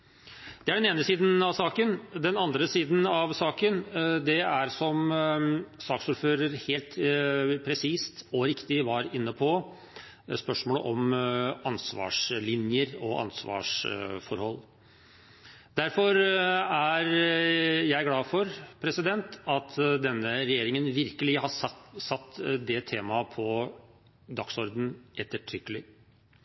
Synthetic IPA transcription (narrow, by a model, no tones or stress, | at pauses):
d̪̥ɛæɖɛneːnəsiːd̪n̩ɑʋsɑːkənd̪ɛnɑnd̪ɾəsiːd̪n̩ɑʋsɑːkənd̪ɛæɾsɔm | sɑːksʊɾføːɾəɾheːlt̪pʰɾɛsiːst̪ɔɾɪkt̪ɪʋɑɾɪnːəpʰɔ | spœʂmoːləʔɔmɑnsʋɑ̰ːʂlɪnjəɾɔʔɑ̰nsʋɑ̰ːʂfɔɾhɔlː | d̪æɾfɔɾæɾ | jæɪæɾɡlɑːfɔɾpʰɾɛsɪd̪ɛnt̪ɑt̪d̪ɛnːəɾɛjeːɾɪŋənʋɪɾkəlɪhɑsɑt̪ːd̪ɛt̪ʰeːmɑpʰɔ | d̪ɑksɔɾd̪n̩ʔɛt̪ːəʈʰɾʏkːəlɪ